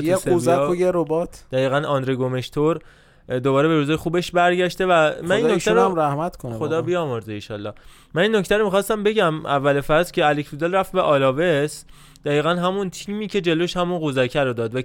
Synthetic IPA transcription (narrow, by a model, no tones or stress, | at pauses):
jesuzæojeɾobɒːt̪ʰd̪̥æjiːɣænɒnd̪ɾeɡome̞ʃt̪ʰoɾ | d̪obɒːɾebe̞ɾuːzɒːjexuːbe̞ʃbæɾɟæʃt̪e̞væmæninnːokt̪æɾmɾæhmæt̪kʰonxod̪ɒːbijɒːmoɾd̪einʃɒ̰ːlːɒːh | mæninːo̞cʰt̪ʰæɾomixɒːst̪æmbe̞ɟæmʔævːælefæɾzcʲʰeælecʰfud̪elræft̪̚beʔɒːlɒːves | d̪̥æiːɣænɦæmunt̪ʰiːmiːcʰe̞d͡ʒe̞loʃhæmunɢuzæcʰæɾod̪ɒːd̪væ